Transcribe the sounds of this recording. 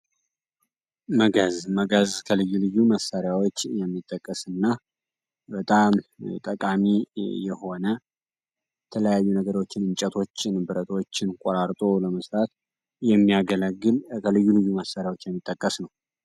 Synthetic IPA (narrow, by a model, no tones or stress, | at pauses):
məɡəzməɡəzkʰəlɨjːulɨjːuməsːaɾjawot͡ʃːjɛmːit̪ʼːəkʼːəsɨnːa | bət̪ʼamt̪ʼəkʼamijɛho̞nə | jjɛt̪ʰələjajːunəɡəɾo̞t͡ʃːɪnɨnt͡ʃʼət̪ʰo̞t͡ʃːnbɨɾət̪ʰo̞t͡ʃːɪnkʷʼoɾaɾt̪ʼo̞ləməsɾʼat̪ | jɛmːiaɡələɡɨlkʰəlɨjːulɨjːuməsːaɾɪjawo̞t͡ʃːjɛmːit̪ʼːəkʼːəsnəw